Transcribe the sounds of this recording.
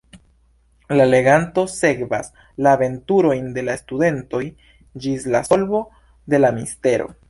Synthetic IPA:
lale̞ɡanto̞se̞kvas | laːve̞ntuɾo̞jnde̞laestude̞nto̞j | d͡ʒislaso̞lbo̞ | de̞lamiste̞ɾo̞̰

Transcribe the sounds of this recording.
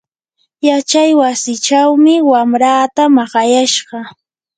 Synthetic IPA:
jat͡ʃajwasɪt͡ʃawmɪwamɾaːt̪amɑɢɑjaʃɢɑ

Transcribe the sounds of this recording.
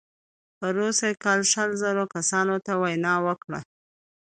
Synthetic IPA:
pəɾosakɑlʃəlzəɾokasɑnot̪awajnɑwəkɽa̰

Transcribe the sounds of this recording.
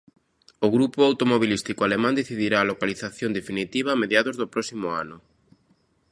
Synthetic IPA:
ʊɣɾupʊawt̪omoβ̞ilist̪ikoalemãnd̪eθiðiɾaːlokaliθaθjond̪efinit̪iβaːmeðjaðʊzðopɾɔsimʊa̰nʊ

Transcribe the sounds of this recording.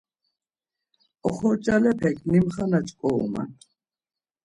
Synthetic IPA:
ɔχɔɾt͡ʃʼalɛpʰɛkʰnimχanat͡ʃʼkʼɔṵma̰n

